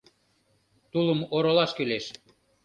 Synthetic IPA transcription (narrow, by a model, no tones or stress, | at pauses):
t̪uləmoɾolɑʃkyleʃ